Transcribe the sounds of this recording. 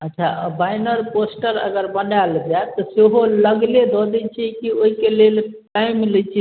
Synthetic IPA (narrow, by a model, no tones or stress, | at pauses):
ətːʃʰabajnəɾposʈəɾə̰ɡəɾbənɖald͡ʒaet̪ɔseɦoləɡled̪ɔd̪ɛt͡ʃʰikioɦikelelʈajmlət͡ʃʰi